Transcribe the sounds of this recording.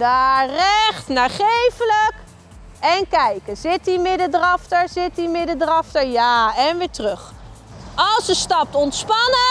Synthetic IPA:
darɛχtnaːχejvələk | ɛnkɛjkəzɪt̚dimɪdədrɑftəɹzɪtdimɪdədrɑftəɹjaːɛnʋɪːɹtrɵχ | ʔɑlˠsəstɑp̚tɔntspɑnə

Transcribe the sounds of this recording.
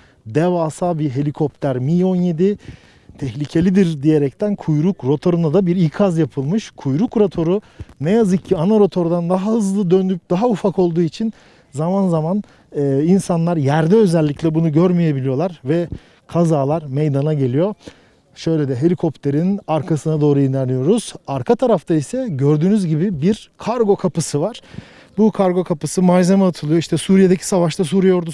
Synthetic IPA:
d̪evaːsabiɦe̞lʲikʰo̞pt̪ʰæɾmiːo̞nje̞d̪i | t̪ʰɛçlʲicʰe̞lʲid̪iɾd̪ije̞ɾɛc̚t̪ʰænkʰujɾukɾot̪ʰo̞ɾunad̪abiɾikʰazjapʰɯlˠmɯʃkʰujɾukɾat̪ʰo̞ɾu | nɛjazɯk̚cʰianaɾo̞t̪ʰo̞ɾd̪and̪aɦahɯzlˠɯd̪ønd̪yp̚d̪̥aɦaufako̞lˠd̪uːit͡ʃʰin | zamanzaman | ɛːinsanlˠaɾjæɾd̪ɛø̞zɛlʲːicʰlʲɛbunuɟøɾmije̞bilʲijo̞lˠaɾvɛ | kʰazaːlˠaɾmejd̪anaɟe̞lʲijo̞ | ʃø̞jlʲed̪ɛɦe̞lʲikʰo̞pt̪ʰe̞ɾinaɾkʰasɯnad̪o̞ːɾujinɛɾnijo̞ɾuz̥aɾkʰat̪ʰaɾaft̪ʰaisɛɟø̞ɾd̪yːnyzɟibibiɾkʰaɾɡo̞kʰapɯsɯvaɾ̥ | bukʰaɾɡo̞kʰapɯsɯmad͡ʒzemaat̪ʰɯlˠɯjo̞iʃt̪ʰɛsuːɾije̞d̪ecʰi̥savaʃt̪ʰas̬uːɾijjo̞ɾd̪u

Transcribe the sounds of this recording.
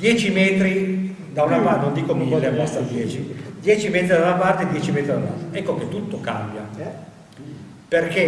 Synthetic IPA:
d̪jɛːt͡ʃimɛːt̪ɾi | d̪awnamanõnd̪iːkomivɔːlavast̪ad̪jɛːt͡ʃid̪jɛːt͡ʃimɛːt̪ɾid̪aunapart̪ed̪jɛːt͡ʃimɛːt̪ɾid̪alːa̰lt̪ɾaɛkːoket̪ːut̪ːoka̰mbja̰ | perke

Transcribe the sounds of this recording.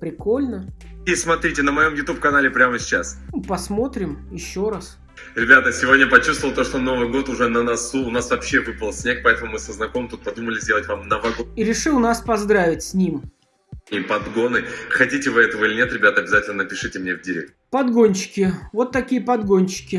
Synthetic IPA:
pɾʲɪko̞lʲnəismɐt̪ɾʲitʲɪnəmɐjo̞mjʊt̪up̚kɐnalʲɪpɾʲaməsʲɪt͡ɕːa̰spɐsmo̞t̪ɾʲɪmjɪɕːoɾas | ɾʲɪbʲat̪əsʲɪvo̞dʲnʲəpɐt͡ɕust̪vəlˠt̪o̞ʂt̪ono̞vɨjɡo̞t̪ʊʐɛnənɐsuːnasvɐpɕːevɨpəlˠsʲnʲek̚pɐɛt̪əmʊmɨsəznɐkoməmt̪ut̪̚pɐd̪uməlʲɪzʲdʲelˠətʲvamnɐvaɡoiɾʲɪʂɨlˠnaspɐzd̪ɾavʲɪtʲsʲnʲim | ipɐd̪ɡo̞nɨxɐtʲitʲɪvɨɛt̪əvəilʲɪnʲet̪ɾʲɪbʲat̪əɐbʲɪzatʲɪlʲnənəpʲɪʂɨtʲɪmnʲevdʲɪɾʲḛk̚t̪pɐd̪ɡo̞nʲt͡ɕːɪ̥kʲɪvo̞t̪ːɐkʲijəpɐd̪ɡo̞nʲt͡ɕːɪ̥kʲɪ

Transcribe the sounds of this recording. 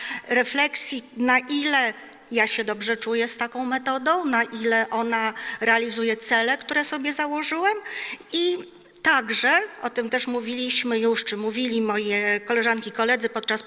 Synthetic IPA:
ɾɛflɛksʲjinaʔilɛ | jaɕɛd̪ɔbʐɛt͡ʂujɛst̪akɔ̃w̃mɛt̪ɔd̪ɔ̃w̃naʔilɛʔɔnaɾɛalʲizujɛt̪sɛlɛkt̪uɾɛsɔbʲjɛzawɔʐɘwɛmi | t̪aɡʐɛʔɔt̪ɘmt̪ɛʂmuvʲilʲiɕmɘjuʂt͡ʂɘmuvʲilʲimɔjɛkɔlɛʐankʲiːkɔlɛd̪zɘpɔt̪̚t͡ʂas

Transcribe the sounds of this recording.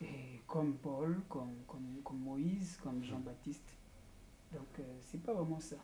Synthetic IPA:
ekɔmpɔlkɔmkɔmkɔmːoizkɔmʒɑ̃bat̪ist̪ | d̪ɔ̃ksɛpavʁɛmɑ̃sa

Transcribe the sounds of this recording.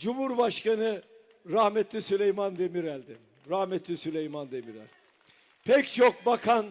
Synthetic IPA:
d͡ʒumhuɾbaʃkanɯ | ɾahmɛt̪lʲisylʲejmand̪emiɾælʲd̪i | ɾahmɛt̪ʰlʲisylʲejmand̪emiɾæ̰lʲ | pʰɛct͡ʃʰok̚bakʰan

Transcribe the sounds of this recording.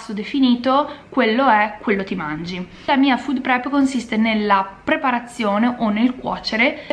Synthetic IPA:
sːod̪efiniːt̪okwelːoɛkːwelːot̪imand͡ʒi | lamiːafud̪pɾɛpkonsist̪enelːapɾepaɾat̪sːjoːneʔonːelkwɔ̰ːt͡ʃeɾe

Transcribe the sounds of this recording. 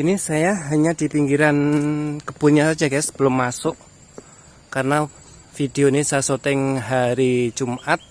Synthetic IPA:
inisajaɦaɲad̪̥ipiŋɡiɾankəb̥uɲasad̥d͡ʒakasə̥b̥əlʊmːasʊʔ | karəna | fid̥eonisaasot̪ɪŋɦaɾi̥d͡ʒumʔat̪̚

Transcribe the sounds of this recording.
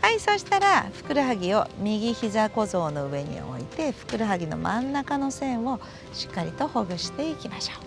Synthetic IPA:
haiso̞ɕi̥t̪aɾaɸɯ̟̥kɯ̟ɾɯɦaɡʲio̞mʲiɡʲiçizako̞zo̞ːno̞ɯ̟e̞ɲ̟ḭo̞̰ḭt̪e̞ɸɯ̟̥kɯ̟ɾɯɦaɡʲino̞̰mʔã̰nːakano̞sẽ̞ɰ̃o̞ | ɕi̥kːaɾʲit̪o̞ho̞ɡɯ̟ɕi̥t̪e̞ikʲimaɕo̥ː

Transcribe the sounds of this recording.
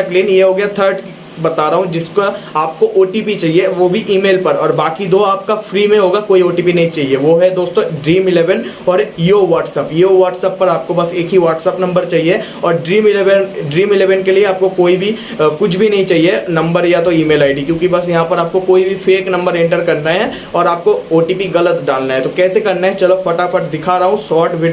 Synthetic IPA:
kliːnjeɦoːɡɐjat̪ʰəɾɖ | bɐt̪aːɾɐɦũd͡ʒɪskoaːp̚koʔoːʈiːpit͡ʃaːɦieʋoːbʱiʔiːmeːlpɐɾɔːɾbaːkid̪oːaːp̚kafɾiːmẽɦoːɡakoːioːʈiːpinɐɦĩt͡ʃaːɦieʋoɦɛd̪oːst̪õɖɾiːmɪleːʋənɔːɾiːoʋaːʈsɛpiːoʋaːʈsəpːɐɾaːp̚kobɐseːkɦiʋaːʈsəpnɐ̃mbəɾt͡ʃaːɦie | ɔːɾɖɾiːmɪleʋənɖɾiːmɪleːʋənkelieaːp̚kokoːibʱi | kʊt͡ʃʰbʱinɐɦĩt͡ʃaːɦienɐ̃mbəɾjat̪oiːmeːlaːɪɖikjõːkibɐsjɐɦãpɐɾaːp̚kokoːibʱifʰeːknɐ̃mbəɾẽːɳʈəɾkɐɾnaɛ̃ | ɔːɾaːp̚kooːʈiːpiɣɐlət̪ɖaːlnaɦɛ̃t̪okɛːsekɐɾnaɦɛt͡ʃɐlofɐʈakɐʈd̪ɪkʰaɾɐɦõsɔːɾʈʋɪɖ

